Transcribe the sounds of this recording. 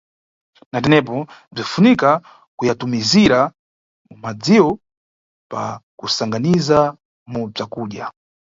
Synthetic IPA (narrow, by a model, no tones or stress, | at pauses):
natɛnɛp̬ɔb͡ʐifunika | kujatumiziɾa | mumad͡ziwɔ | pa̰kusaŋɡaniza | mub͡ʐakuːɗja